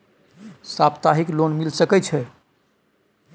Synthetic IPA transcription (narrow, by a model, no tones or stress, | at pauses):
sapt̪aɦiklonmilsəkɛt͡ʃʰɛ